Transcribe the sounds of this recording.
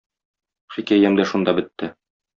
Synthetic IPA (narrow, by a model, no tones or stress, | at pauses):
χikæjæmd̪æʃund̪ɑbɘ̆t̪ːɘ